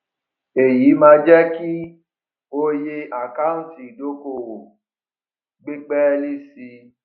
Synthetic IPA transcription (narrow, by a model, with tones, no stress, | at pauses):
e˨ji˨˦mã˧d͡ʒɛ˦ki˦ | o˦je˧a˨ka˦ũ˦ti˨do˨˦ko˧˨wo˨ | ɡ͡bi˦k͡pɛ˦li˦si˧